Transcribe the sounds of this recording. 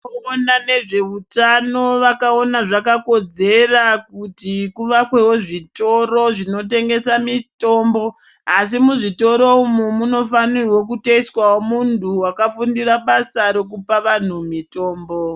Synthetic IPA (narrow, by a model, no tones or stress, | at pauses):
onane̞ʐe̞utano̞ʋakao̞naʐakako̞d͡ze̞rakutikuʋakwe̞woʐito̞ro̞ʐino̞t̬e̞ŋɡe̞samito̞ːmbo̞as̬imuʐito̞ɾo̞umumuno̞fanirwo̞k̬uteiswawomuntʰuwakafundiraɓasaɾo̞k̬upaʋan̤umito̞ːmbo̞